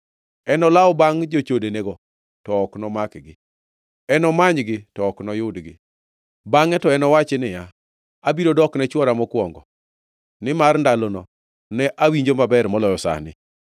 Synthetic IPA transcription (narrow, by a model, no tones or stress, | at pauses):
ɛnɔlaɔbaŋd͡ʒot͡ʃodeneɡɔ | tɔːknɔmakɡɪ̰ | ɛnɔmaɲɡɪtɔɔknɔjʊdɡɪ̰ | baŋɛtɔɛnɔwat͡ʃenɪja | abiɾodɔknɛt͡ʃwɔɾamɔkwɔŋɡɔ̰ | nɪmarndalonɔ | nɛʔawiɲd͡ʒomabɛrmɔlɔjɔsa̰nɪ̰